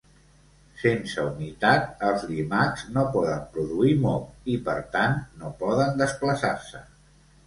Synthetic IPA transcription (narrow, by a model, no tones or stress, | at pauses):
sensəunit̪at̪̚əlˠzlimakznopɔðəmpɾuðuimɔlipəɾt̪annopɔðənd̪əspləsarsə